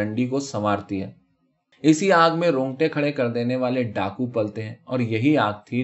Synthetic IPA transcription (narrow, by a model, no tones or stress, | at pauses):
ə̃ɳɖikosɐmaːɾt̪iɦɛː | ɪsiaːɡmẽɾõːŋɡʈẽkʰɐɽekɐɾd̪eːneʋaːleɖaːkupɐlt̪eɦɛ̃ːɔːɾjɐɦiaːɡ̚t̪ʰi